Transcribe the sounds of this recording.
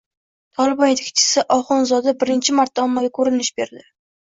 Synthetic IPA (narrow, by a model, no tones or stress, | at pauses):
t̪ʰɒlˠɪbɒnjet̪ʰɪ̥kʰʲt͡ʃʰɪ̥sɪʔɒχʊnzɒd̪abɪɾɪnt͡ʃʰɪmaɾt̪̚ːaɒmːaɡʲakʰɵɾɪnɪʃbe̞ɾd̪ɪ